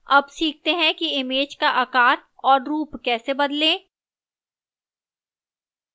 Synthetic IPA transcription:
ɐbsiːk̚t̪eɦɛ̃kiɪmeːd͡ʒkaʔɐkaːɾɔːɾɾuːpkɛːsebɐd̪lẽː

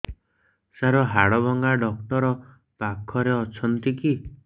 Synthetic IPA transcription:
saɾɔɦaɽɔbɔŋɡaɖɔk̚ʈɔɾɔ | pakʰɔɾeɔt͡ʃʰɔnt̪iki

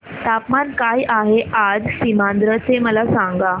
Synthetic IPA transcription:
t̪apmankajʔaɦeʔad͡zsimand̪ɾət͡seməlasaŋɡa

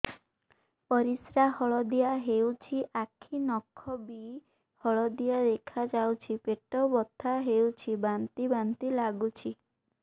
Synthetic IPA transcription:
pɔɾisɾahɔɭɔd̪ijaɦewt͡ʃʰiʔakʰinɔkʰːɔbi | hɔɭɔd̪ijaɾekʰad͡ʒawt͡ʃʰipeʈɔwbɔt̪ʰːaɦewt͡ʃʰibant̪ibant̪ilaɡut͡ʃʰi

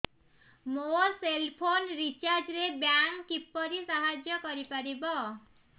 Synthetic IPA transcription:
moselpʰonɾit͡ʃaɾd͡ʒɾebjaŋkːipːɔɾisaɦad͡ʒjɔkɔɾipaɾibɔ

